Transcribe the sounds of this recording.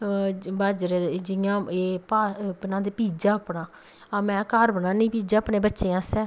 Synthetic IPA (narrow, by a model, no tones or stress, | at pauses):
baːd͡ʒəɾd͡ʒɪjãːeːpaːpnãːd̪eːpiːd͡ʒaːəpnaː | aːmɛ̃ːkaːɾbənaːnĩːpiːd͡ʒaːəpɳeːbətːʃeːãːsɛ̃ː